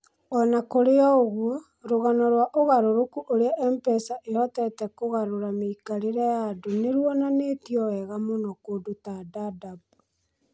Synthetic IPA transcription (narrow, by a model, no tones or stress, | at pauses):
ɔnakoɾeɔoɣwɔ | ɾoɣanɔɾwaʔoɣaɾoɾokuʔoɾeaʔɛmpɛsaʔeɾɔtɛɾɛtɛkoɣaɾoɾameikaɾeɾɛjadoneɾwɔnaneːtiɔwɛɣamonɔkoːdotadadabu